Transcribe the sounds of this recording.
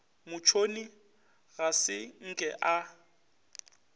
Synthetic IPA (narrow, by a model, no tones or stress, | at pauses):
mʊt͡ʃʰoni | ɣasɪŋ̩kʼɛʔa